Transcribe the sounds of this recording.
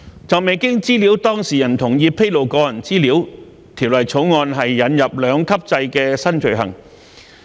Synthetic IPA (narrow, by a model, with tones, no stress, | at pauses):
t͡sɔː˨k̚me˨˧jkɪ˥ŋt͡siː˥li˨˥wt̪ɔː˥ŋsiː˨˩jɐ˨˩nt̪ʰʊ˨˩ŋjiː˧pʰe˥jlo˨˩wkɔː˧jɐ˨˩nt͡siː˥liː˨˥w | t̪ʰiː˨˩wlɐ˨˩jt͡sʰo˨˥wŋɔː˧nɦɐ˨jːɐ˨˥njɐ˨p̚lœː˨˧ŋkʰɐ˥p̚t͡sɐ˧jkɛː˧sɐ˥nt͡ʃɵ˨˩ɦɐ̰˨˩ŋ